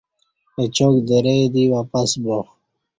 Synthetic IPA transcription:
et͡ɕoːkd̪eɾejd̪iwapasbox

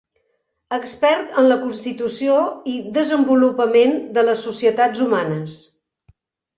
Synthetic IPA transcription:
əkspɛɾt̪ənləkunst̪it̪usioiðəzəmbulupəmend̪ələsːusiət̪ad͡zumanəs

